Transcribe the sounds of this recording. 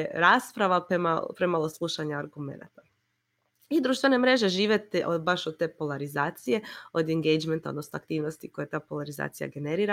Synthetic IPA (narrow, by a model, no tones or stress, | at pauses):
eɾaːspɾaʋapemapɾemalˠo̞slˠuʃaɲaaɾɡume̞̰na̰t̪ḁ | id̪ɾuʃt̪ʋene̞mɾeʒe̞ʒiːʋjet̪eʔobaʃod̪̚t̪eːpolaɾizaːt̪sije̞od̪eŋɡejd͡ʒment̪aod̪nosnoakt̪iːʋnost̪iko̞jet̪aːpo̞laɾiza̰ːt̪sija̰ɡe̞neɾiːɾa